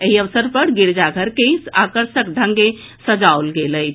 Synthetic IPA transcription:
eɦiəʋsəɾpəɾɡiɾd͡ʒaɡʱəɾkeakəɾʃəkɖʱə̃ŋɡe | səd͡ʒaolɡeləjt̪ʰ

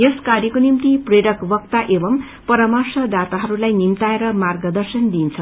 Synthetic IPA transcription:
jeskarjʌkonimt̪ipreɽʌkbʌk̚t̪aʔebʌm | pʌɾʌmarsʌd̪at̪aɦʌɾulajnimt̪aeɾʌmarɡʌd̪ʌrsʌnd̪int͡sʰʌ

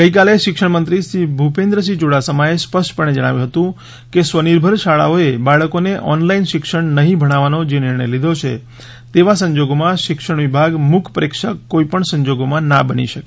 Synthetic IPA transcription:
ɡəikaleʃɪkʃəɽ̃mənt̪ɾisɾibʱupẽnd̪ɾəs̬id͡ʒoɽasəmaespəsʈpəɳed͡ʒəɽ̃a̰ʋjũɦət̪ũ | kesʋəniɾbʱəɾʃaɭa̰oebaɭəkoneʔɔnlainʃɪkʃəɳnəɦĩbʱəɽ̃aʋanod͡ʒenɪɾɳəjlid̪ʱot͡ʃʰḛ | t̪eʋasə̃ɲd͡ʒoɡomãʃɪkʃəɳ̃ʋibʱaɡmukʰpəɾekʃaːoipəɳsə̃ɲd͡ʒoɡomãnabənḭʃəke̥

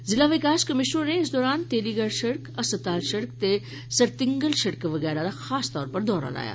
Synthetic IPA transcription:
zɪlaʋɪkaːʃkɐmɪʃnõneɪsd̪ɔːɾaːnt̪eːliɡaɾʃɐɽkɐsət̪aːlʃɐɽk̚t̪e | sɐɾt̪ɪ̃ŋɡəlʃɐɽkʋɐɡɛːɾad̪axaːst̪ɔːɾpɐɾd̪ɔːɾa̰la̰ːja̰ː

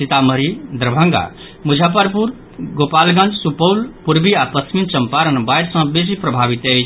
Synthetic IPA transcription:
sit̪aməɾid̪ɾəbʱə̃ŋɡa̰ | mud͡ʒʱapəɾpuɾ | ɡopalɡə̃nd͡ʒsupəwlpuɾbiapəsmint͡ʃəmpaɾənbajɾsə̃bes̬ipɾəbʱabit̪əɪt͡ʃʰ

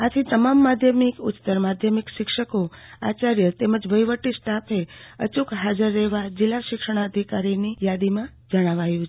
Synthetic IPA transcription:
at̪ʰit̪əmamːad̪ʱjəmikʊtt̪əɾmad̪ʱjəmikʃɪkʃəkoa̰t͡ʃaɾjət̪eməd͡ʒʋəjʋəʈisʈapʰeə̰t͡ʃukɦad͡ʒəɾːeʋad͡ʒɪlːaʃɪkʂəɽ̃aəd̪ʱikaɾinijad̪imã | d͡ʒəɽ̃aʋajũt͡ʃʰ

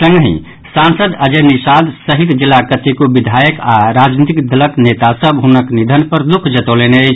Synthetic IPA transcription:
sə̃ŋɡɦḭ̃ | sansəd̪əd͡ʒenisad̪səɦit̪d͡ʒilːakət̪ikobid̪ʱajəkaɾad͡ʒnit̪ikd̪ələknet̪asəbʱɦunəknid̪ʱənpəɾd̪ukʰd͡ʒət̪oleneət͡ʃʰ

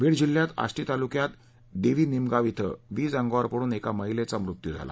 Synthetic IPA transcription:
ʋiːɽd͡ʑiljat̪a̰sʈiːt̪alukjat̪ | d̪eʋiːnimɡaʋit̪ʰə̰ʋiːd͡zãŋɡʋaɾpəɽuːnekaməɦilet͡samɾut̪jud͡zʱa̰la̰

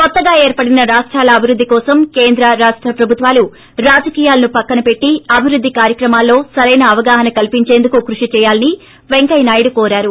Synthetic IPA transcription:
kɔt̪ːɐɡaːe̞ːɾpɐɽinɐɾaːʂʈɾaːlɐːbʱiɾud̪ʱːikɔːsɐmke̞ːnd̪ɾɐɾaːʂʈɾɐpɾɐbʱut̪ʋaːlu | ɾaːd͡ʒɐkiːjaːlɐnupɐkːɐnɐpe̞ʈːiɐbʱiɾud̪ʱːikaːɾjɐkɾɐmaːlːo̞ːsɐɾɐjnɐːʋɐɡaːɦɐnɐkɐlipiɲt͡ʃeːnd̪ukukɾuʂit͡ʃɛːjaːlɐni | ʋeŋkɐjnaːjiɽukoːɾaːɾu

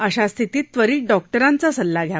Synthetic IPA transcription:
əɕast̪ʰit̪iːt̪ːʋəɾiːɖɔk̚ʈəɾant͡sasəlːaɡʱja

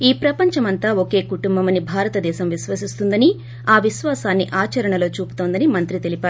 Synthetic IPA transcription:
iːpɾɐpɐɲt͡ʃɐmɐnt̪aːoke̞ːkuʈumbɐmɐnibʱaːɾɐt̪ɐd̪ɛːʃɐmʋiʃʋɐsist̪und̪ɐni | aːʋiʃʋaːsaːnːiʔaːt͡ʃɐɾɐɳɐlo̞ːt͡ʃuːpu̥t̪oːnd̪ɐnimɐnt̪ɾit̪e̞lipaːɾu

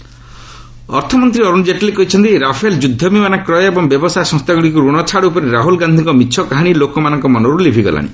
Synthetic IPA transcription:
ɔ̰ɾt̪ʰɔmɔnt̪ɾiɔɾund͡ʒeʈlekɔɦit͡ʃʰɔnt̪iɾapʰeld͡ʒud̪ʱːɔmimanakɾɔjɔebɔŋbjɔbɔsajsɔ̃ŋst̪aɡɔɽikuɾuɽ̃ɔt͡ʃʰaɽupɔɾeɾaɦulɡand̪ʱiŋkɔmiʃʰɔkaɦaɽ̃ilokɔmanɔŋkɔmɔnɔɾulebʱiɡɔ̰la̰ɽ̃ḭ

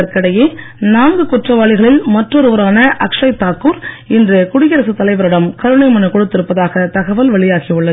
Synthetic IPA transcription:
ɐɾkɐɽɐjeː | naːŋɡɯkʊʈrɐʋaːɭɪɣɐɭɪlmɐʈrɔɾɯʋɐɾaːnɐʔɐkʂɐɪt̪ːaːkuːɾ | ɪndrɯkʊɽɪjɐɾɐsɯt̪ːɐlɐɪʋɐɾɐɽɐmkɐɾɯɳɐɪmɐnɐkɔɽɯt̪ːɪɾɯpːɐðaːɣɐt̪ɐɣɐʋɐlʋɐɭɪjaːɣiɯɭːɐ

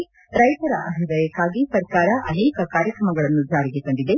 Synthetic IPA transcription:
ɾɐjʈ̪ɐɾɐʔɐɦiʋɐjɐkːaːɡisɐɾkaːɾɐʔɐneːkɐkaːɾjɐkɾɐmɐɡɐɭɐnːud͡ʒaːɾiɡekoɳɖid̪e̞

